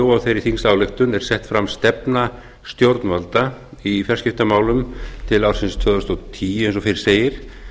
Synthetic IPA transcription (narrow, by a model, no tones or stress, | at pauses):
owawθejɾiθinsaːwlɪxt̪ʏnɛɾ̥sɛht̪fɾamst̪ɛpna | st̪jowɾt̪nvalt̪aifɛr̥scɪft̪amaːwlʏmt̪ʰɪlawɾ̥sɪnst̪ʰœːðʏst̪ot̪ʰiːɛnsɔfeɾɪ̥seːjɪɾ̥